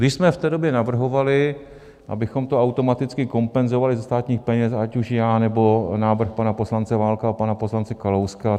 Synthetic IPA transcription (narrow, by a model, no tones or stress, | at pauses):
ɡdɪʃsmɛft̪ɛːdobjɛnavr̩ɦo̞valɪ | ʔa̰bɪxo̞mt̪oawt̪o̞mat̪ɪt͡skɪko̞mpɛnzo̞valɪzɛst̪aːt̪ɲiːxpɛɲɛsacuʃjaːnɛbo̞naːvr̩xpanapo̞slant͡sɛvaːlkaapanaposlant͡sɛkalowska